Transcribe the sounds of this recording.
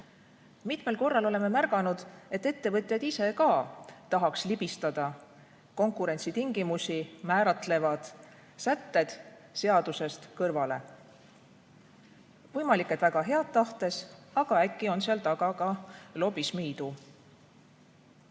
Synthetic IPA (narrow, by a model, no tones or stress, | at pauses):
mit̪me̞lko̞rːɑlo̞le̞mːe̞mærɡ̥ɑnud̪̥e̞t̪ːe̞t̪ːe̞vɤt̪ʲˑjɑd̪̥ise̞kɑːt̪ɑɦɑkslib̥ist̪ɑd̪̥ɑ | ko̞ŋkuɾe̞nʲt̪sit̪iŋɡ̥imusʲimæːɾɑt̪ˑle̞vɑd̪̥ | sæt̪ːe̞d̪̥ | se̞ɑd̪̥use̞st̪kɤrvɑle̞ | vɤjmɑlikːˑed̪væɡɑɦe̞ɑd̪̥t̪ɑht̪e̞sɑɡ̥ɑækːˑio̞nseɑlt̪ɑɡ̥ɑɡɑlo̞bismiːd̪̥u